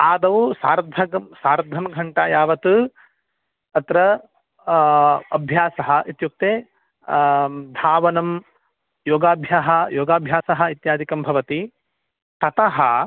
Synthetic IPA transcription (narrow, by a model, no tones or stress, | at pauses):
aːd̪ɐʋusaːɾd̪ʱɐɡɐmsaːɾd̪ʱɐmɡʱɐɳʈajaːʋɐt̪ɨ | ɐt̪ɾɐ | ɐbʱjaːsɐɦɐ̆ʔit̪juk̚t̪eː | d̪ʱaːʋɐnɐm | joːɡaːbʱjaːɦɐ̆joːɡaːbʱjaːsɐɦɐ̆it̪jaːd̪ʱikɐmbʱɐʋɐt̪i | t̪ɐt̪ɐɦɐ